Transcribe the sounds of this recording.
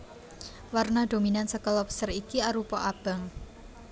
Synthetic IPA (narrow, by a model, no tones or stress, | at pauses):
warnad̥ominansəkɔlɔpsərikiaɾupɔʔab̥a̤ŋ